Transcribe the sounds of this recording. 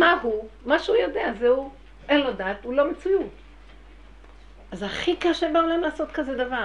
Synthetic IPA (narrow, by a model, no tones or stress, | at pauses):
mahumaʃeujodeazeu | ʔenlo̞daːt̪ulo̞met͡sujut | azaχikaʃebeolaemlaːsot̪kazed̪ava